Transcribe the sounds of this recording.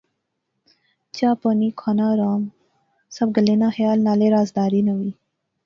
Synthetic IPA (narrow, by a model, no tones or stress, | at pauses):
t͡ɕaːponikʰanaɾɑːm | sɐb̚ɡəlenaxjɑːlnaːleɾaːzd̪ɑːɾinawi